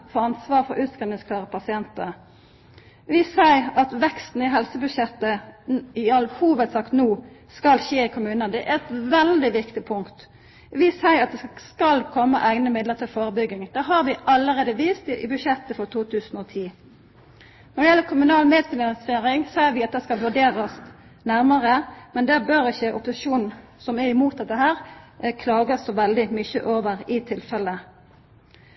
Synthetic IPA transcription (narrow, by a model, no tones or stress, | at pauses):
fɔɑnsʋɑːʁfɔɾʔʉːt̪skʁɛnɪŋskʰlɑːʁəpʰɑsɪɛnt̪ə | ʋɪsæɪɾɑt̪ʋɛkst̪n̩ɪɦɛlsəbʉʃjɛt̪ːəɪɑlhuːʋəd̪sɑkt̪nuː | skɑlʃeːɪkʰʊmʉːnəd̪ɛʔæɾɛt̪ʋɛld̪ɪʋɪkt̪ɪpʰʊŋkt̪ | ʋɪsæɪɾɑt̪̚d̪ɛskɑlkʰɔmːəʔæɪnəmɪd̪ləʁt̪ʰɪlfoːɾəbʏɡːɪŋd̪ɛɦɑɾʋɪʔɑlːəʁeːd̪əʋiːst̪ʔɪbʉʃɛt̪ːəfɔʁt̪ʰuːt̪ʰʉːsn̩oːt̪ʰiː | nɔɾd̪ɛjɛlːəkʰʊmʉnɑːlmeːd̪klɑnɑseːɾɪŋseːɾʋɪɑt̪̚d̪ɛskɑlʋʉɖeːɾəs | næɾməɾəmɛnd̪ɛbøːɾɪçəʔʊpːʊsɪʃuːnn̩ | sɔmæɾɪmuːt̪̚d̪ɛt̪ːəɦæːʁkʰlɑːɡəsɔʋɛld̪ɪmʏçə̰ʔoːʋəʁɪt̪ʰɪlfɛlːə